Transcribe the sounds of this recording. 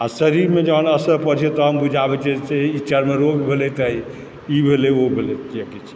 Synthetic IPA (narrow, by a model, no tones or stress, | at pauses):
asəɾiɾmed͡ʒənəsəpəɾt͡ʃʰet̪ɔɦəmbud͡ʒʱabɛt͡ʃʰiseit͡ʃʰaɾmeɾokbʱelɛt̪əj | ibʱeleobʱelɛt̪jekit͡ʃʰi̥